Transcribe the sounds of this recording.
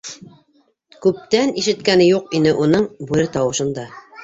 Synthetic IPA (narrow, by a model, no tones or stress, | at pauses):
kʉp̚t̪æniʃɘ̆t̪kænɘjuqinɘʔunɤɴbʉɾɘt̪ɑwɤ̆ʃɤ̆nd̪ɑ